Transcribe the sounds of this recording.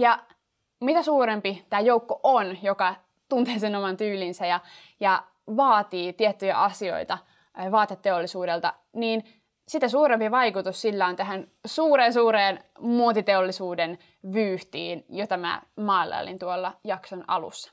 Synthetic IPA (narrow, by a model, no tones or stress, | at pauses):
jɑ | mit̪æsuːɾempit̪æːjoukːoʔonjokɑ | t̪unt̪eːsenomɑnt̪yːlinsæjɑ | jɑ | ʋɑːt̪iːt̪iet̪ːyjæ̰ʔɑsio̞̰it̪ɑ | ʋɑːt̪et̪ːeolːisuːdelt̪ɑ | niːn | sit̪æsuːɾempiʋɑjkut̪ussilːæont̪æɦænsuːɾeːnsuːɾeːnmuot̪it̪eolːisuːden | ʋyːht̪ḭːnjot̪ɑmæ̰mɑːilːˑɑ̰lḭnt̪uolːɑjɑksonɑ̰lṵsːɑ̥